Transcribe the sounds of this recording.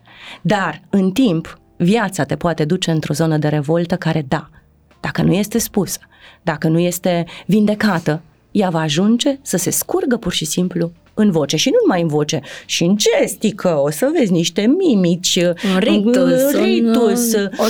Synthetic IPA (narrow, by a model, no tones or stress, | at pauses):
d̪arɨnt̪imp | vjat̪sat̪e̞poat̪e̞d̪ut͡ʃe̞ɨnt̪ɾo̞zo̞nəd̪e̞ɾe̞vo̞lt̪əkaɾe̞d̪a | d̪̥akənuje̞st̪e̞spusə̥ | d̪akənuje̞st̪e̞vind̪e̞kat̪ə | javaːʒund͡ʒe̞səse̞skurɡəpurʃisimplu | ɨnvo̞t͡ʃe̞ʃinunumajɨnvo̞t͡ʃe̞ʃiɨnd͡ʒest̪ikʰəosəve̞dzʲniʃt̪e̞mimit͡ʃʲirit̪us